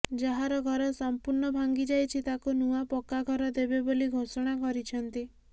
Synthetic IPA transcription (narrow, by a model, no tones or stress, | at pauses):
d͡ʒaɦaɾɔɡʱɔɾɔsampuɾɳɔbʱaŋɡid͡ʒajt͡ʃʰit̪akunuapɔkaɡʱɔɾɔd̪ebeboliɡʱosɔɽ̃akɔɾit͡ʃʰɔnt̪i